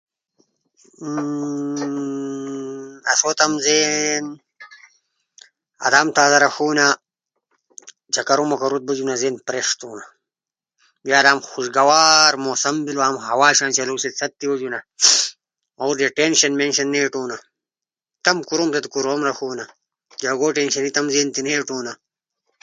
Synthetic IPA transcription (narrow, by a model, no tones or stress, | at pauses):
ɐsoːt̪ɐmzeːn | ɐ̰d̪aːmt̪aːzɐɾɐxuːna | d͡ʑʰɐkɐɾomɐkɐɾut̪̚bɐd͡ʑunɐzeːnpɾeʂt̪uːna | bjaːd̪aːmxuʃɡɐwaːɾmoːsɐmbilaːmhɐwaːɕãːnt͡ɕɐloːsit͡sʰɐt̚t̪ːiwod͡ʑunɐ | oːɾd̪eʈenɕɐnmenɕɐnːeːʈuːna | t̪ɐmkuɾoːmt̪ɐt̪kuɾoːmɾɐxuːna | d͡ʑaɡoːʈenʃɐnit̪ɐmzeːnt̪ineːʈuːna